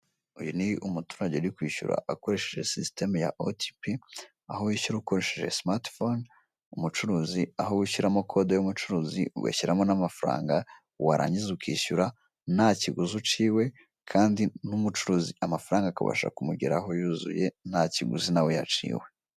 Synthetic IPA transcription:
ujuniʔumutu̥ɾaɟeuɾikwiːʃṵɾa̰ʔako̞ɾe̞ʃeʒe̞̰siste̞majaʔoti̥pi | ahowiʃuɾuko̞ɾe̞ʃeʒe̞smaɾtfon | umut͡ʃuɾuːziahowiʃiɾamokʰo̞dojumut͡ʃuɾuːzḭwḛçiɾamonamafaɾa̰ːŋɡa | waɾa̰ɲizukwiːʃuɾa | naciɡuzut͡ʃiːwe̞ | kʰaːndinumut͡ʃuɾuːziʔamafaɾaːŋɡaka̰βa̰ʃa̰kumuɟiɾaɦo̞juːzṵje̞naciɡṵzinawe̞jat͡ʃḭːwe̞

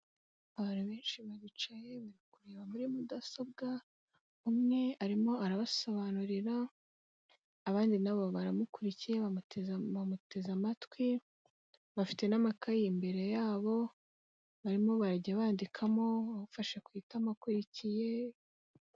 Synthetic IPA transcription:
aβanhuβe̞ːnʃiβaβit͡ʃaje̞βaɾikuɾeːβamuɾimudaso̞b̚ɡa | umŋe̞aɾimo̞aɾaβaso̞βanuɾiɾa | βaːndinaβoβaɾamukuɾicije̞βatzβamute̞zamatwi | βafi̥te̞namakajimbe̞ɾe̞jaːβo̞ | βaɾimo̞βaɾaɟaβaːndikʰamo̞βaβufaʃekwiːtamakuɾicije̞

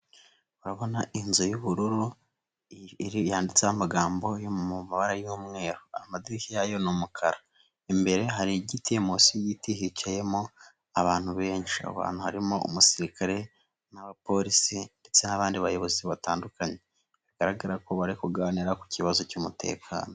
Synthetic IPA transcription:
uɾaβo̞naʔinzojuβuɾuɾu | ɾijaːndit͡sehamaɡaːmbo̞jomuumaβaɾajuːmŋe̞ːɾoamadiɾikijajo̞numukʰaɾa | imbe̞ɾe̞ɦaɾiɟitiemosiɟitiɦit͡ʃaje̞mo̞ | aβaːn̥huβe̞ːnʃia̰βa̰ːn̥huhaɾimoṵmusiɾikʰaɾe̞ | naβapo̞ɾisinde̞t͡se̞naβaːndiβajo̞βo̞ziβataːndukaɲe̞ | βiɡ̥aɾaɡaɾako̞βaɾikuɡaniɾaku̥ciβazo̞cumute̞̰kʰa̰ːno

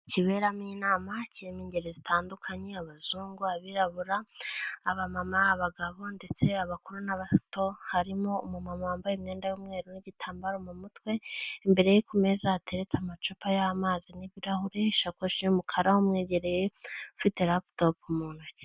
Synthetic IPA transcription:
ciβe̞ɾaminaːmaciɾimiːɲɟeɾezitaːndukʰaɲe̞aβazuːŋɡuaβiɾaβuɾaː | βamamaːβaɡaβo̞nde̞t͡se̞aβakuɾunaβato̞haɾimo̞umumamaaːmbajemɲe̞ːndajumŋe̞ːɾoniɟitʰaːmbaɾomumutwe̞mbe̞ɾejikume̞zaːte̞ɾet͡samat͡ʃupajamaːziniβiɾahuɾeʃakwoʃiumukʰaɾahomŋeːɟe̞ɾe̞jeufite̞ɾaptopumuːnuc

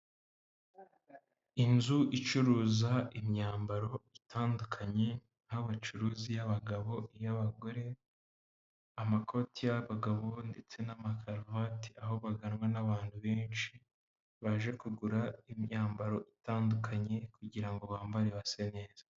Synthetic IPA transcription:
inzuʔit͡ʃuɾuːzaimɲaːmbaɾo̞itʰaːndukʰaɲe̞ | nhaβat͡ʃuɾuːzijaβaɡaβo̞ijaβaɡo̞ɾe̞ | amako̞tʰijaβaɡaβo̞nde̞t͡se̞namakʰaɾvati̥ʔaɦo̞βaɡanŋwanaβaːnhuβeːnʃi | βaʒe̞kuɡuɾaimɲaːmbaɾo̞ʔitaːndukʰaɲe̞kuɟiɾaŋɡo̞βaːmbaɾeβasene̞ːz̥ḁ

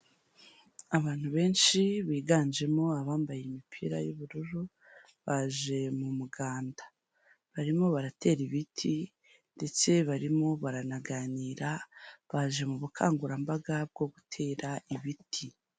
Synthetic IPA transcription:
aβaːn̥huβe̞ːnʃiβiːɡaːnd͡ʒe̞mo̞aβaːmbajemipʰḭːɾa̰juβuɾuɾu | βaʒe̞mumuɡaːnda | βaɾimo̞βaɾate̞ːɾiβitʰi | nde̞t͡se̞βaɾimo̞βaɾanaɡaːniːɾaβaːʒe̞muβukʰa̰ːŋɡuɾambaɡab̚ɡo̞ɡutʰe̞ːɾaiβitʰi

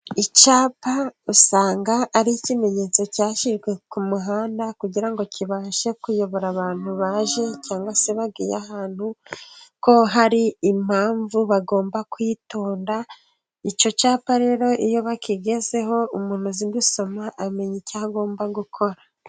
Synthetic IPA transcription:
it͡ʃaːpausaːŋɡaːɾicime̞ɲe̞ːt͡so̞caːʃiʒɡwe̞kumuɦaːndakuɟiɾaŋɡo̞ciβaːʃe̞kujo̞βo̞ɾaβaːn̥huβaːʒe̞caːŋɡwase̞βabɡiːjahaːn̥huko̞ɦaɾiːm̥aːɱvuβaɡo̞ːmbakwito̞ːnda | it͡ʃo̞t͡ʃaːpaɾe̞ːɾo̞ʔijo̞βakiɡe̞ze̞ɦo̞umuːn̥uzindiso̞maʔːme̞ɲicaɡo̞ːmbaɡukʰo̞ɾa

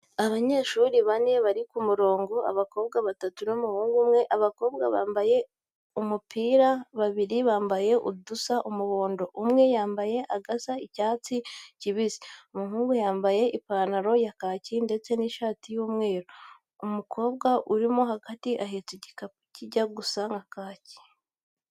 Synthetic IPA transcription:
aβaɲe̞ʃuːɾiβane̞βaɾikumuɾo̞ːŋɡoa̰βako̞ːbɡaβatatunomuhuːŋɡumŋe̞ʔaβako̞ːbɡaβa̰ːmbaje̞ | umupiːɾaβaβiɾiβaːmbaje̞ʔudusaʔumuβoːndo̞ʔumŋe̞jaːmbaje̞ʔaɡasaicaːt͡siciβizi̥oumuhuːŋɡujaːmbaje̞ʔipaːnaɾo̞jakaːcinde̞t͡se̞niʃaːtijuːmŋe̞ːɾo | umukʰo̞ːbɡaʔuɾimo̞ɦaɡatiʔaɦeːtuɟika | ciɟaɡusaŋɡakaːci̥

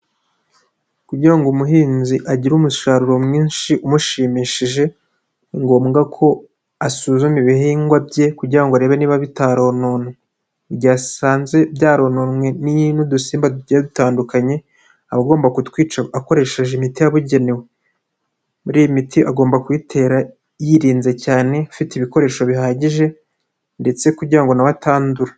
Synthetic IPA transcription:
kuɟiɾaŋɡomuɦiːnziʔaɟiɾumuʃaɾuɾo̞mŋiːnʃiʔumuʃiːmiʃiʒe̞ | ŋɡo̞ːmɡakʰo̞ | asuːzumiβihiːŋɡwabje̞kuɟiɾaŋɡoaɾe̞ːβeniːβaβitaɾo̞none | bɟaːsaːnze̞bɟaːɾo̞ːnonwe̞ninudusiːmbaduɟdutaːndukaɲe̞ | aβaɡo̞ːmbakutkwiːt͡ʃaako̞ɾe̞ːʃe̞ʒimitijaβuɟe̞newe̞ | muɾiːjimitʰiʔaɡo̞ːmbakwiːtʰe̞ːɾa | jiɾiːnze̞caːne̞afitiβiko̞ɾe̞ːʃo̞βihaːɟiʒe̞ | nde̞t͡se̞kuɾɟiɾaŋɡo̞naβataːnduɾa

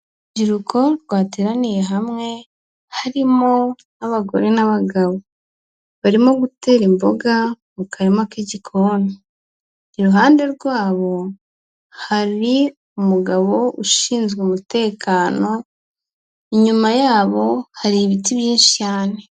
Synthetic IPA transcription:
ɟiɾukʰo̞ɾɡwaːteɾanije̞ɦamŋe̞ | haɾimo̞ | naβaɡo̞̰ɾe̞naβaɡaβo | βaɾimo̞ɡute̞ːɾimbo̞̰ɡa | mukʰaɾimakeɟikʰoniː | ɾuɦaːnde̞ɾɡwaːβo̞ | haɾi | umuɡaβo̞uʃiːnzɡeumute̞ːkʰaːno̞ | iɲumajaːβo̞haɾiβitiβjiːnʃi̥caːne̞

